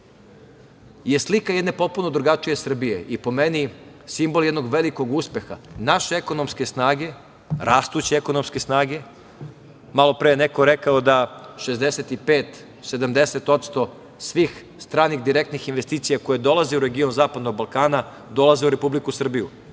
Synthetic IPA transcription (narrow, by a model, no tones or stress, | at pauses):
je̞slikaje̞d̪ne̞po̞t̪̚puno̞d̪ɾuɡat͡ʃije̞sr̩bije̞̰ʔipo̞me̞ni | simbo̞lˠjed̪noɡʋe̞liko̞ɡuspe̞xa̰naʃeeko̞no̞mske̞snaːɡe̞ | ɾʔaːst̪ut͡ɕeeko̞nomske̞snaːɡe̞ | malo̞pɾejeneko̞ɾekaod̪aʃe̞zd̪eset̪ipeːt̪ | se̞d̪amd̪e̞se̞t̪o̞t̪st̪o̞ | sʋiːx | st̪ɾaːnixd̪iɾek̚t̪nixinʋe̞st̪iːt̪sijako̞jed̪o̞lˠaze̞uɾe̞ɡio̞nzaːpad̪noɡ̚balˠkaːna | d̪o̞lˠaze̞uɾe̞publikusr̩biju